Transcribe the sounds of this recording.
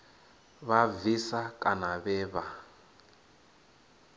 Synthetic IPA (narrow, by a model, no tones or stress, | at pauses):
βavisakʼanaβɛːβa